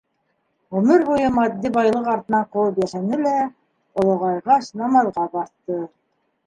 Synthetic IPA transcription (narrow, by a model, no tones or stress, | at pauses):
ʁɵ̆mɘɾβujɤmɑd̪ːibɑjlˠɤqɑɾt̪ɤ̆nɑɴquwɤpjæʃænɘlæ | ŏlˠŏʁɑjʁɑʃnɑmɑðˠʁɑbɑɾt̪ːɤ